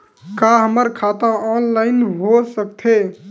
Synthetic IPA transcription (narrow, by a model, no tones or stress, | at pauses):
kaɦəməɾkʰat̪ãɔːnlaɪnɦosək̚t̪ʰe